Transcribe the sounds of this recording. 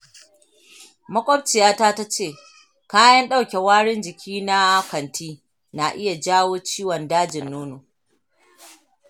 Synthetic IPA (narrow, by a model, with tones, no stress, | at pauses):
mɐ˦kʷʼɔ˦b̚t͡ʃɪ˨jaː˦taː˦ta˦t͡ʃeː˦˨ | kaː˦jɐ˦nɗa˦wkʲe˨waː˦ɽɪ˦nd͡ʒɪ˨kʲʰiː˦na˦kʷɐ˨ntʰiː˦ | na˨ʔɪ˦ja˨d͡ʒaː˦woː˦t͡ʃiː˦wɔ˨ndaː˦d͡ʒɪ˨nːoː˦noː˨